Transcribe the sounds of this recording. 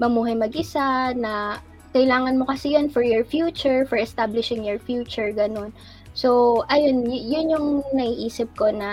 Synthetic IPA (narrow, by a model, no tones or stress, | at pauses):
mɐmuːɦɐjmɐɡʔɪsanɐ | kɐʔɪlaːŋɐnmokɐsɪjonfɔɹjɔɹfjuːt͡ʃʊɹfɔɹʔɛst̪ablɪʃɪŋjɔɹfjuːt͡ʃʊɹɡɐno̞n | soʔɐjonjjʊnjʊŋnɐiʔiːsɪp̚ko̞nɐ